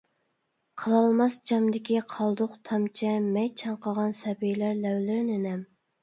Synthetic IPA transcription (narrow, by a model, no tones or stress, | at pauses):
qʰəlˠɑlˠmɑsd͡ʒɑmd̪ɪkʲiqʰɑlˠd̪ʊqt̪ʰɑmt͡ʃʰɛmɛjt͡ʃʰɑɴqəʁɑnsɛbijlæɾlɛwlɪɾɪnɪnɛm